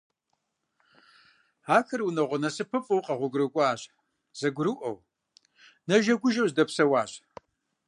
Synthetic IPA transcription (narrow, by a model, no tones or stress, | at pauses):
aːkʰɨrwunɐʁʷɔnɐsɨpʰɨpʼɨwqʼɐʁʷʊɡrɨkʷʼaːɕ | z̥ɐɡʷɾɨʔʷɐ̰w | nɐʒɐɡʷʊʒɐwzdɐpsɐwaːɕ